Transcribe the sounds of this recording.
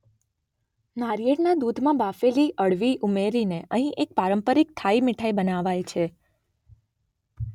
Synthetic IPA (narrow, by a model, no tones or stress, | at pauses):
naɾijeʈnad̪ud̪ʱmãbafeliʔəɽʋiʔumeɾineʔəɦĩʔek̚paɾəmpəɾik̚t̪ʰaimɪʈʰaibənaʋajt͡ʃʰe